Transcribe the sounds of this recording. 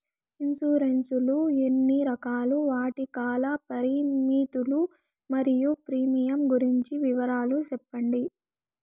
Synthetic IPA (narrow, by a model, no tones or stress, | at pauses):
insuːɾensuluenːiɾɐkaːluʋaːʈikaːlɐpɐɾimiːt̪ulu | mɐɾijupɾiːmijɐmɡuɾiɲt͡ʃiʋiʋɐɾaːlut͡ʃɛpːɐɳɖi